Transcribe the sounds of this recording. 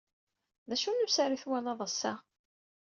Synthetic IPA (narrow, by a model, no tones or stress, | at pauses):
ðæʃunusaɾiθwælɑðˤəsːa